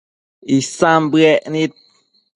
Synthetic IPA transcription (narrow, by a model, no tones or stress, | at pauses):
isambɛʔnit̚